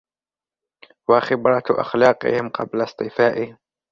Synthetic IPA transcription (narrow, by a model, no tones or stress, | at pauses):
waxɪbɾˤɑt̪ʔa̰xlɑːqɪ̰hɪmqɑblasˤt̪ˤɨfaːʔɪhɪm